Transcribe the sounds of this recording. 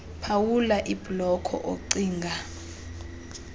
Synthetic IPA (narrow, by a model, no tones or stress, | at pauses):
pʰawulaʔib̥lɔkʰɔ̰ʔoǀiːŋɡʱa